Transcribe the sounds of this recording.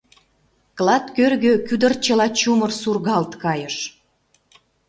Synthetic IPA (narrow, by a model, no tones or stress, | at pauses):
klɑt̪kørɣøkyd̪ər̚t͡ɕəlɑt͡ɕumərsurɣɑlt̪kɑjəʃ